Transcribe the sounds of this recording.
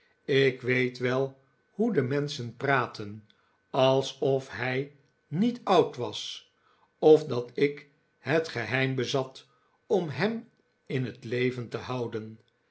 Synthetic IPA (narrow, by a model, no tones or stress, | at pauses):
ɪkʋejtʋɛlˠ | hudəmɛnsənpraːtən | ɑlˠsɔfɦɛj | nitɑwtʋɑs | ɔfdɑtɪk | hətχəɦɛjmbəzɑt | ɔmɦɛm | ɪnɦətlejvəntəhɑwdən